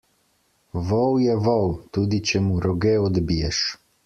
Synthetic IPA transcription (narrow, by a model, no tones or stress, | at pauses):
ʋɔwjɛʋɔwt̪uːd̪it͡ʃɛmuɾɔɡeɔd̪bijɛʃ